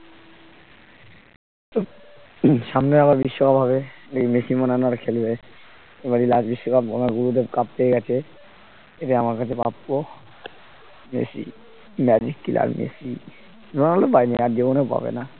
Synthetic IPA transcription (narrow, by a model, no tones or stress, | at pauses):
t̪o | ʃamneaβaɾbiʃːokabʱaβeleimesimɔnanaɾkʰelbe | ebaɾilad͡ʑbiʃːokabɔ̰maɡulut̪̬ekap̚t̪eeɡɛt͡ɕʰe | eʈaamaɾkat͡ɕʰepa̰pko | mḛsḭ | mɛd͡ʑikːila̰ɾmʔḛsi | ɾonalepajniaɾd͡ʑibonewpa̰bḛna